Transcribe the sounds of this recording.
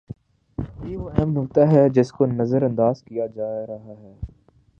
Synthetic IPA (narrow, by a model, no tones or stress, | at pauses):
jeːʋoɛɦmnʊkt̪aɦɛd͡ʒɪskonɐzəɾɐ̃nd̪aːz̥kijad͡ʒaːɾɐɦaɦɛː